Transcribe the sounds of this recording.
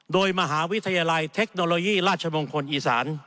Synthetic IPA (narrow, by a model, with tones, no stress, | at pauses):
doː˧jma˧ɦaː˩˦wi˦˥t̪ʰa˧jaː˧la˧jt̪ʰe˦˥k̚noː˧loː˧jiː˥˩ɾaː˥˩t̚t͡ɕʰa˧mo˧ŋkʰo˧nʔiː˧sa̰ː˩˦n